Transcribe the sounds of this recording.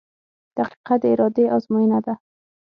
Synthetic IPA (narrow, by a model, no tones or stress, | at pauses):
d̪̥aqi̥qat̪ɪɾɒd̪eʔɒzmɔinad̪a